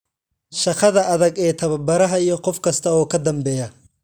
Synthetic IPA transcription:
ʃɐqɐðɐɐðɐɡɛːt̪ʰɐβɐbɐɾɐɦɐijɔqɔfkʰɐst̪ʰɐɔːkʰɐd̪ɐmbɛːjɐ

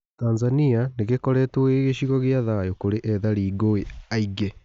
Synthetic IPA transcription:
taːnzanianeɣekɔɾɛtweɣeɕiɣɔɣeaðajokoɾeʔɛðaɾiːɡoeaiɡɛ

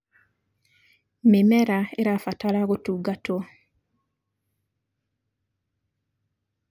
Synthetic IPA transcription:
memɛɾaeɾafataɾaɣotuɡato

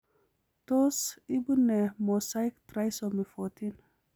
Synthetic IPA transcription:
tosibunemosajkt̪ɾajsomifotin

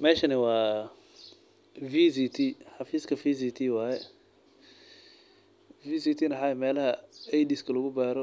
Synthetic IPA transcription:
mɛːʃɐnɪwɑː | viːsit̪ʰiħɑfiːskʰɐfiːsiːt̪ʰiːwaːjɛ | viːsiːt̪ʰiːnɐħɑɛmɛːlɐɦɐɛjdiskʰɐlɐɣʊbaːɾɔ

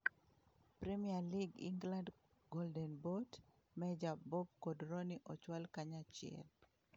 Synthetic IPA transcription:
pɾɛmialiɡḭŋɡlãnd | ɡɔldɛnbot | mɛd͡ʒabɔp̚kodɾoniʔɔt͡ʃwalkaɲat͡ʃɪɛ̰l

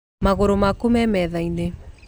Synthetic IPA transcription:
maɣoɾomakomɛmɛðaine

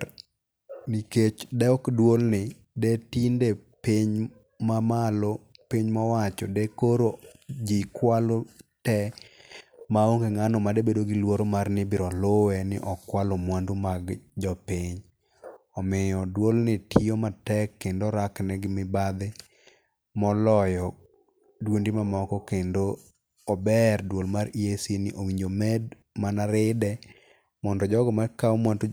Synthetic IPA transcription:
niket͡ʃdɛɔkdwolnɪ | detindepiɲ | mamalopiɲmawat͡ʃɔ̰dɛkoɾod͡ʒikwalotɛ | maoŋɡeŋanɔmadebedoɡɪlwoɾomarnɪbɪɾɔlowɛnɪʔɔkːwalomwandumaɡd͡ʒɔpɪɲ | ɔmɪjɔdwolnɪtʰiomatɛkːendoɾaknɛɡɪmɪbad̪ɪ | mɔlɔjɔ | dwondimamɔkɔkendoː | bɛrdwolmaɾiesinɪ̰ʔowiɲd͡ʒomɛd | manaɾɪdɛ | mɔndɔd͡ʒɔɡɔmakaomwandu

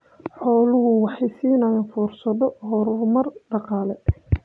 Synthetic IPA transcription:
ħɔːlʊɦʊwɑħɑjsiːnɐjɐnfuːrsɐðɔɦɔːɾʊmɐrɖɑqɑːlɛ

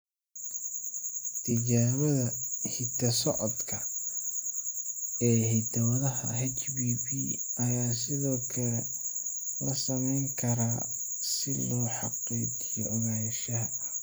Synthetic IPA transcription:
t̪ʰɪt͡ʃaːβɐðɐhɪt̪ʰɐsɔʕɔd̪kʰɐ | ɛːhɪd̪ʰɐwɐðɐɦɐ̰ɦɛt͡ʃbiːbiːɐjaːsɪðɔːkʰɐlɛ | lɐsɐmɛjŋkʰɐɾaː | sɪlɔːħɑqiːt͡ʃɪjɔɔɣaːjʃɐɦɐ

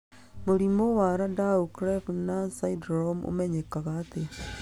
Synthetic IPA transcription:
moɾimowaɾadaukɾefnasaidɾomo̰mɛɲekaɣaːte

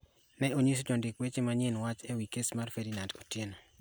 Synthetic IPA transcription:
nɛoɲis̬od͡ʒɔndɪkwet͡ʃemaɲɪnwat͡ʃɛwikesmarfedinando̰tjeno

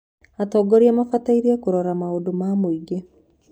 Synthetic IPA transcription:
atɔːɡoɾiamafataiɾiakuɾoɾamaodomamoiɡe

